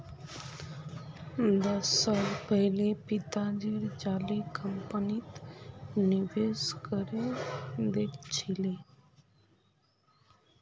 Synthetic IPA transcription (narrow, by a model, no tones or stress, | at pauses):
d̪əsːaːlpəɦɪlepɪt̪ad͡ʒiɾd͡ʒaːlikəmpənit̪nɪʋeskəɾed̪eʈʰt͡ʃʰile